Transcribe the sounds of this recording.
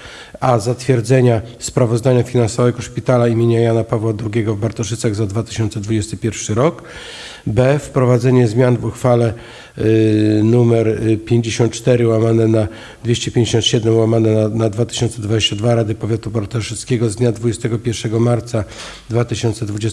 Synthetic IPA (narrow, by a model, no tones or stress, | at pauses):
azat̪fʲjɛɾd̪zɛɲaspɾavɔzd̪aɲafʲinansɔvɛɡɔʂpʲit̪alaimʲjeɲajanapavwad̪ɾuɡʲɛɡɔvbaɾt̪ɔʂɘt̪saɣzad̪vat̪ɘ̥ɕɔnt̪sɛd̪vud͡ʑɛst̪ɘpʲjɛɾfʂɘɾɔk | bɛfpɾɔvad̪zɛɲɛzmʲjanvuxfalɛ | numɛɾpʲjeɲd͡ʑeɕɔnt̪̚t͡ʂt̪ɛɾɘwamanɛna | d̪vʲeɕt͡ɕɛpʲjẽɲʲd͡ʑeɕɔnt̪ɕɛd̪ɛmwamanɛnad̪vat̪ɘ̥ɕɔnt̪sɛd̪vad͡ʑeɕt͡ɕad̪vaɾad̪ɘpɔvʲjat̪ubaɾt̪ɔʂɘt̪skʲɛɡɔzd̪ɲad̪vud͡ʑɛst̪ɛɡɔpʲjɛɾʂɛɡɔmaɾt̪sa | d̪vat̪ɘɕɔnt̪sɛd̪vud͡ʑɛs